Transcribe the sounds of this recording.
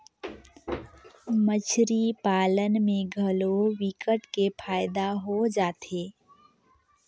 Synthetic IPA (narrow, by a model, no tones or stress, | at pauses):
mət͡ʃʰɾipaːlənmẽɡʱəlowɪkəʈkepʰaːjɪd̪aɦod͡ʒaːt̪eː